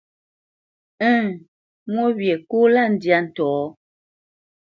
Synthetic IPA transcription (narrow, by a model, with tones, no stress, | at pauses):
ɛ˦˨ | mwɔ˦bjɛ˨ko˦la˦˨n̩˦dja˦n̩˨tɔː˨˦